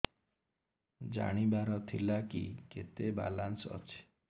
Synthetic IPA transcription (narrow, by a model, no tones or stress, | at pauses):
d͡ʒa̰ɽ̃ibaɾɔt̪ʰilakiket̪eba̰lansɔ̰t͡ʃʰe̥